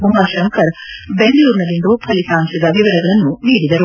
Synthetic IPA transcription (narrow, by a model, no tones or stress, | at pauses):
bumaːʃɐŋkɐɾbeŋɡɐluːɾnɐlind̪upʰɐlisaːnsɐd̪ɐʋiʋɐɾɐɡɐɭɐnːuniːɽid̪ɐɾu